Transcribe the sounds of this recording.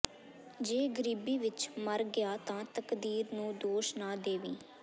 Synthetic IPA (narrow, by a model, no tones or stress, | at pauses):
d͡ʒeːɡəɾiːbiːʋɪt͡ʃməɾɡjaːt̪ãːt̪əkd̪iːɾnũːd̪oːʃnaːd̪eːʋiː